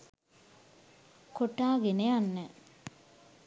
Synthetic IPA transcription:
koʈaːɡenejanːə

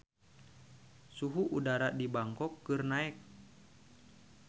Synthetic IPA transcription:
suɦuʔudaɾadibaŋkɔkːɨrnaɛk̚

